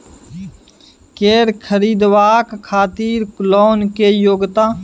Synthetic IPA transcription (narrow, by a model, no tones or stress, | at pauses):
keːɾkʰəɾiːd̪ʋaːkkʰːaːt̪iːɾkʊlɔːnkeːjoːɡt̪aː